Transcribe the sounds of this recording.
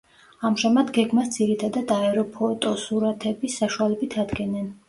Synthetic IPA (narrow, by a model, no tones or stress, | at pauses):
amʒamad̪ɡɛɡmasd̪ziɾit̪ʰad̪ad̪aɛɾɔpʰɔt̪ʼɔsuɾat̪ʰɛbisːaʃualɛbit̪ʰad̪ɡɛnɛn